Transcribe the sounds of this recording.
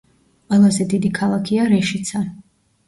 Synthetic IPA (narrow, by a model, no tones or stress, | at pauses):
qʼwɛlˠazɛd̪id̪ikʰalˠakʰiaɾɛʃit̪sʰa